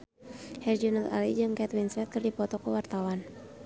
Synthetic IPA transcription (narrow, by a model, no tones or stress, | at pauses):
hɛrd͡ʒunala̰lid͡ʒɨmkɛt̪winsɛt̪̚kɨrdipɔt̪ɔkəwart̪awan